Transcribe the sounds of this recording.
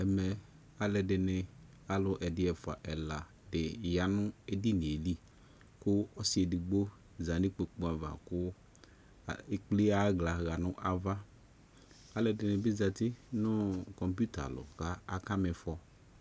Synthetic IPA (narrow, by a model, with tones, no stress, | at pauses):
ɛ˨mɛ˨ | a˨lɛ˨dɪ˨nɪ˨ | a˦lʊ˨ʔɛ˨dɪ˦ɛ˨fʊ˨a̰˨ʔɛ˨la˨ | dɪ˨ja˨nʊ̃˦e˨di˦n˨e˨li˦ | kʊ˦ɔ˦sɪ˨˦e˨dɪ˨ɡ͡bo˦ | za˨nɪ̃˦k͡pe˨k͡pũ˦a˨va̰˨kʊ˦˨ | e˦k͡ple˦a˦ɡla˨ɣa˨nʊ̃˦ʔa˨va˦ | a˨lɛ˨dɪ˨nɪ̃˨bɪ˦za˨t̪ɪ˦nʊ˦kɔ˨mpju˦ta̰˨lʊ̰˨ka˦a˨ka˦mɪ˨fɔ˨